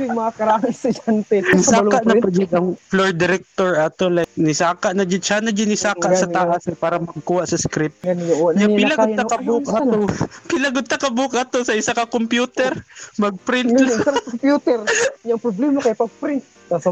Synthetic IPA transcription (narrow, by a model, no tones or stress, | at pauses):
ɪmɐakɐɾaːŋɐnsɐd͡ʒant̪ɛnɪsaːlkaʔnɐpɐd͡ʒɪd̪ɐŋfloɹd̪ɪɾɛk̚t̪oɹɐt̪olajk̚nɪsaːkɐʔnɐd͡ʒɪt͡ʃaːnɐd͡ʒɪnɪsaːkaʔsɐt̪aʔasɛpaːɾɐmɐɡ̚kuːhaʔsɐskɾɪp̪̚ɡɐnɲaɪlɐod̪ɐkɐbukɐt̪opɪlɐɡod̪̚t̪ɐkɐbukɐt̪osɐʔɪsakɐkompjuːt̪ɛɾmɐɡ̚pɾɪnt̪ɪsaɐkompjuːt̪ɛɾɲaʔɐŋpɾoblɛmɐkɐjapɐɡ̚pɾɪnt̪̚ | ɐ